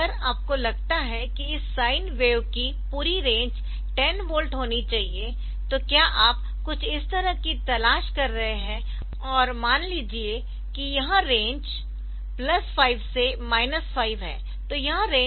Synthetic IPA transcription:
ɐəɾaːp̚kolɐɡ̚t̪aɦɛkiɪsːaːɪnʋeːʋki | puːɾiɾẽːɲd͡ʒ | ʈɛnʋoːlʈɦoːnit͡ʃaːɦie | t̪okjaːʔaːp | kʊt͡ʃʰɪst̪ɐɾəkit̪ɐlaːʃkɐɾːɐɦeɦɛ̃ | ɔːɾmaːnliːd͡ʒie | kijɐɦãɾẽːɲd͡ʒ | plɐsfaːɪʋsemaːɪnəsfaːɪʋɦɛ̰̃ː | t̪oːjɐɦãɾẽː

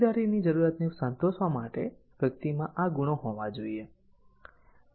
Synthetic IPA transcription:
d̪aɾinid͡ʒəɾuɾat̪nesənt̪oʃʋamaʈeʋjək̚t̪imãʔaɡuɽ̃oɦoʋãd͡ʒoie

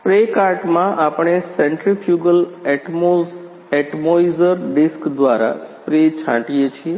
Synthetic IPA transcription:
pɾekaɾʈmãʔapɳ̃esɛɳʈɾifʰjuɡəlɛʈmos | eʈmoizəɾɖɪskd̪ʋaɾa̰spɾet͡ʃʰã̰ʈijet͡ʃʰie

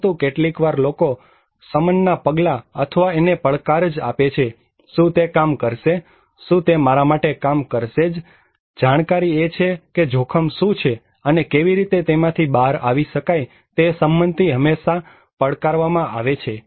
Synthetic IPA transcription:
t̪ũkeʈlikʋaɾloko | səmənnapəɡlaət̪ʰəʋaenepəɭkaɾd͡ʒa̰pet͡ʃʰe | ʃũt̪ekamkəɾʃe | ʃũt̪emaɾamaʈekamkəɾʃed͡ʒ | d͡ʒaɽ̃kaɾiet͡ʃʰeked͡ʒʱokʰəmʃũt͡ʃʰe | ənekeʋiɾit̪et̪emãt̪ʰibaɾaʋiʃəkaj | t̪esəmbənd̪ʱiɦəmeʃa | pəɭkaɾʋamãaʋet͡ʃʰe

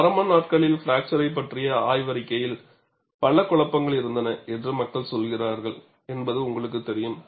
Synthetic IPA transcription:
pɐɾɐmɐːnaːʈkɐɭɪlfɪɾaːk̚t͡ʃɐɾɐɪp̬ːɐʈrɪjɐaːjʋɐɾɪkːɐjɪl | pɐɭːɐkʊɭɐpːɐŋɡɐɭɪɾɯnd̪ɐnɐɛndrɯmɐkːɐɭsɔlɣɪraːɾɣɐɭ | ɛnbɐðɯʊŋɡɐɭɯk̬ːɯt̪ːɛɾɪjɯm

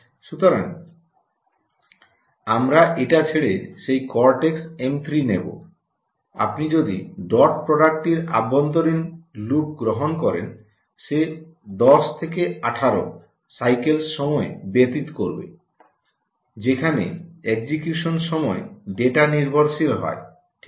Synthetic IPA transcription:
ʃut̪oɾa̰n | amɾaʔeʈat͡ɕʰeɭeʃejkɔɾʈeksemt̪ʰɾinebo̰ | a̰pnid͡ʑod̪ḭɖɔʈ̚pɾoɖak̚ʈiɾa̰bont̪oɾinluk̚ɡɾoɦonkɔɾḛn | ʃed̪ɔst̪ʰekeaʈʰaɾo̰ | sajkelsʃɔmɔebet̪it̪koɾbḛ | d͡ʑekʰanḛeɡd͡ʑikjuʃonʃɔmɔeɖeʈaniɾbʱoɾʃilɦɔ̰e

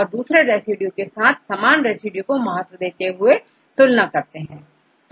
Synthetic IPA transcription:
ɔːɾd̪uːsɾeɾɛːsiɖjũkesaːt̪̚ʰsaːmaːnɾɛːsɪɖjukomɐɦət̪ːwəd̪eːt̪eɦʊe | t̪ʊlnakɐɾt̪eɦɛ̃ː

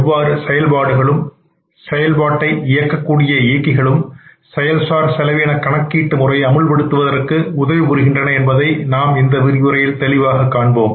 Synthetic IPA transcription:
ʋːaːɾɯsɛjɐlbaːɽɯɣɐɭɯm | sɛjɐlbaːʈːɐɪʔɪjɐkːɐkːuːɽɪjɐeːkːɪɣɐɭɯmsɛjɐlsaːɾsɛlɐʋeːnɐkːɐɳɐkːiːʈːɯmʊrɐɪɐmɯɭpɐɽɯt̪ːɯʋɐðɐɾɯkːɯʊðɐʋɪpʊɾɯɣɪndrɐnɐɛnbɐðɐɪnaːmɪnd̪ɐʋɪɾɪjɯɾɐjɪlt̪ɛlɪʋaːɣɐkːaːɳboːm

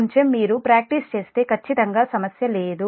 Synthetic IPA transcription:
ɲt͡ʃemmːiːɾupɾaːk̚ʈist͡ʃe̞ːst̪e̞ːkʰɐt͡ʃːit̪ɐŋɡaːsɐmɐsjɐle̞ːd̪u

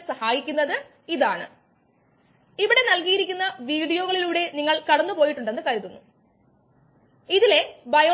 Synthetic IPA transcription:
sɐhaːjikʲːunːɐðɨ | iðaːɳɨ̰ | iʋiɽe̞nɐlkijiɾikʲːunːɐʋiːɽijo̞ːɣɐɭiluːɽe̞niŋːɐɭkɐɽɐnːɨpoːjiʈːuɳɖe̞nːɨkɐɾuðunːu | iðile̞bɐjoː

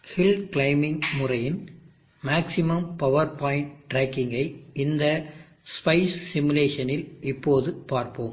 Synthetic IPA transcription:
hɪlklɐɪmɪŋmʊrɐjɪn | maːksɪmɐmpɐʋɐɾpaːɪɳʈʈɾaːkːɪŋɡɐɪɪnd̪ɐ | spɐɪssɪmɯleːʂɐnɪlɪpːoːðɯpaːɾpoːm

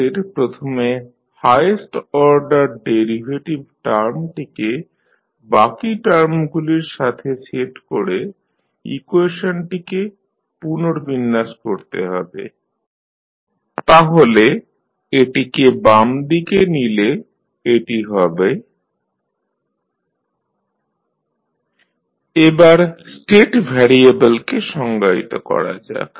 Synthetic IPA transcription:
eɾpɾot̪ʰome | hajesʈɔɾɖaɾɖeɾibʱeʈibʈaɾmʈike | bakiʈaɾmɡuliɾʃat̪ʰeseʈkoɾe | ḭkueʃonʈike | punoɾbinːaʃkoɾt̪ḛɦɔ̰bḛ | t̪aɦole | eʈikebamd̪ikenile | eʈiɦɔbe | ebaɾsʈeʈbʱɛɾiebelkeʃɔŋɡaḭt̪okɔ̰ɾa̰d͡ʑa̰ek

